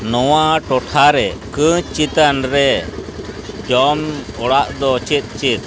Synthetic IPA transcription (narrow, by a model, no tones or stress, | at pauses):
nɔwaʈɔʈʰaɾɛkɨ̃t͡ʃit̪anɾɛ | t͡ʃɔmɔɽaʔd̪ɔt͡ʃit̪̚ˀt͡ʃit̪̚ˀ